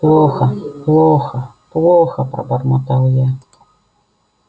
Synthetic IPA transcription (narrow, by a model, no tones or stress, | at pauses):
plˠɔxɐplˠɔxɐ | plˠɔxɐpɾɐ̰bɐrmat̪awja